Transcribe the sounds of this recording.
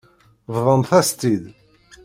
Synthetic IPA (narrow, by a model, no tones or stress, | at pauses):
vðˤənθæst̪ið